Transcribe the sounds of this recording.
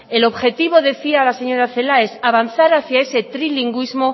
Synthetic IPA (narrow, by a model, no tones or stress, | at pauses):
e̞lo̞βxe̞t̪iβ̞o̞ðe̞θiaːlase̞ɲo̞ɾaθe̞lae̞saβ̞an̟θaɾaθjae̞se̞t̪ɾiliŋɡwizmo̞